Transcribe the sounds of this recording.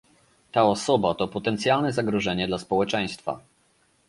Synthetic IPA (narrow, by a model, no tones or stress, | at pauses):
t̪aɔsɔbat̪ɔpɔt̪ɛnt̪sʲjalnɛzaɡɾɔʐɛɲɛd̪laspɔwɛt͡ʂɛj̃st̪fa̰